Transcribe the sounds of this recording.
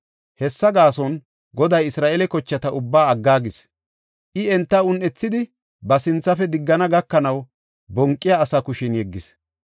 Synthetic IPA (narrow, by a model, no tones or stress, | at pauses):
hɛsːɐɡaːsɔn | ɡɔd̪ɐjɪsɾaːʔɛlɛkɔt͡ʃːɐt̪ɐʔʊbːaːɐɡːaːɡɪs | ʔɪɛnt̪ːɐʊnʔɛt͡sːɪd̪ɪ | bɐsɪnt͡sːɐfɛd̪ɪɡːɐnɐɡɐkːɐnɐw | bɔŋkʼːɪjaːsɐkʊʃɪnjɛɡːɪs